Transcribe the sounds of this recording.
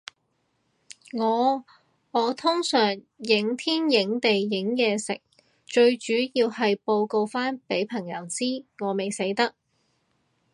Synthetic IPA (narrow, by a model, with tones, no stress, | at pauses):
ŋɔː˨˧ | ŋɔː˨˧t̪ʰʊ˥ŋsœː˨˩ŋ | jɪ˨˥ŋt̪ʰiː˥njɪ˨˥ŋt̪e˨jːɪ˨˥ŋjɛː˨˧sɪ̰˨k̚ | t͡ʃɵ˧ɥt͡ʃyː˨˥jiː˧whɐ˨jpo˧wko˧wfaː˥npe˨˥jpʰɐ˨˩ŋjɐ˨˥wt͡siː˥ŋɔː˨˧me˨jse˨˥jt̪ɐ˥k̚